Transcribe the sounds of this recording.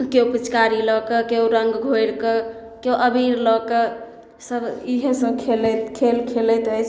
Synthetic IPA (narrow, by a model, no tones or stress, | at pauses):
keopit͡ʃkaɾilɔkəkeuɾəŋɡɡʱojɾkə | keoʔəbʱiɾlɔke | səbiɦẽsəbkʰelkʰelkʰelɛt̪əjt͡ʃʰ